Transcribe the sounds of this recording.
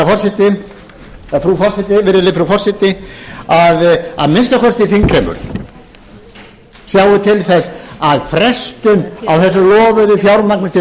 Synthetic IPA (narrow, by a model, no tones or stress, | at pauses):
afɔrsɪt̪ɪ | fɾufɔr̥sɪt̪ɪvɪɾɪlɪfɾufɔrsɪt̪ɪaða̰ðmɪnst̪akʰɔst̪ɪθiŋkʰɾɛmʏ̰ɾ | sjaːwɪt̪ʰɪlθɛsaðfɾɛst̪ʏnawθɛsːʏlɔːvʏðɪfjawɾmak̚nɪt̪ʰɪ